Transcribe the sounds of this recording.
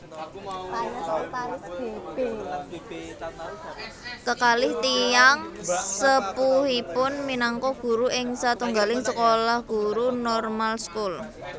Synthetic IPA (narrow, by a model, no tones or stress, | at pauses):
paɲaɔt̪aɾʊsb̥eb̥e | kəkalɪht̪ijaŋsəpuhipʊnminaŋkɔɡ̥ṳɾuɪŋsat̪uŋɡalɪŋsəkolahɡ̥ṳɾunɔrmalskul